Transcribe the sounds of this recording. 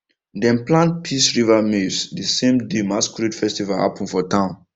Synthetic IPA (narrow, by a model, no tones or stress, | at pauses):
dɛ̃nplãnt̚pʰisɹivamisdisẽmdimaskɹitfɛstivalha̰pɔ̃nfɔtʰãʊ̃n